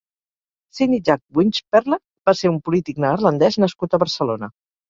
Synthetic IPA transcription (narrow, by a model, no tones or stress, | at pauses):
siniʒak̚bwint͡ʃpɛɾlə | baseumpulit̪iknəːɾlənd̪ɛznəskut̪əβəɾsəlonə